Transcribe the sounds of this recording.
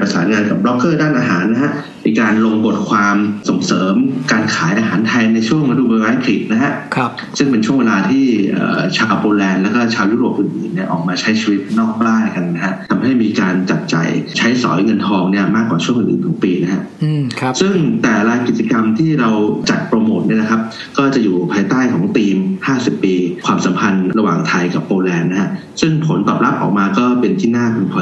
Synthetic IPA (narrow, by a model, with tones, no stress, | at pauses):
pɾa˧saː˩˦nŋaː˧nka˨˩p̚ɾɔ˦˥kːɤː˥˩daː˥˩nʔaː˧ɦa̰ː˩˦nːa˦˥ha˦˥ʔ | miː˧kaː˧nlo˧ŋbo˨˩t̪̚kʰwaː˧mso˨˩˦ŋsɤː˩˦mkaː˧nkʰaː˩˦jʔaː˧ɦaː˩˦nt̪ʰa˧jna˧jt͡ɕʰu˥˩əŋɾa˧duː˧˩a˧waː˧˥kʰli˨˩t̪̚na˦˥ɦa˦˥ʔkʰ | sɯ˥˩ŋpe˧nt͡ɕʰu˥˩əŋweː˧laː˧t̪ʰiː˥˩ʔə̰ː˨˩t͡ɕʰaː˧wpoː˧lɛː˧nlɛː˦˥wkɔː˥˩t͡ɕʰaː˧wjuː˥˩ɾoː˨˩p̚ʔɯ˨˩nʔɯː˨˩nːi˥˩ɐʔɔː˨˩k̚maː˧t͡ɕʰa˦˥jt͡ɕʰiː˧wi˦˥t̪̚nɔː˥˩k̚baː˥˩nka˧nːa˦˥ha˦˥ʔt̪ʰa˧mɦa˥˩jmiː˧kaː˧nt͡ɕa˨˩t̪̚t͡ɕa̰˨˩jt͡ɕʰa˦˥jsɔ̰ː˩˦jŋɤ˧nt̪ʰɔː˧ŋni˥˩ɐmaː˥˩kːwaː˨˩u˥˩əŋʔɯ̰˨˩ʔːt̪ʰɔː˩˦ŋpiː˧na˦˥kʰa˦˥ʔsɯ˥˩ŋt̪ɛː˨˩ɾaː˧jki˨˩t͡ɕa˧ka˧mt̪ʰiː˥˩ɾa˧wt͡ɕa˨˩t̪̚pɾa˧moː˨˩t̪̚ni˥˩ɐna˦kʰa˦˥p̚ | kɔː˥˩t͡ɕa˨˩juː˨˩pʰaː˧jt̪aː˥˩jkʰɔː˩˦ŋt̪iː˧mhaː˥˩si˨˩pːiː˧kʰwaː˧msa˩˦mpʰa˧nɾa˧waː˨˩ŋt̪ʰa˧jka˨˩p̚ːoː˧lɛː˧nː˦˥kʰa˦˥ʔ | sɯ˥˩ŋpʰo˩˦nt̪ɔ̰ː˨˩p̚la˦˥p̚ʔɔ̰˨˩k̚maː˧kɔː˥˩pe˧nt̪ʰiː˥˩naː˥˩kʰu˧npʰɔ˧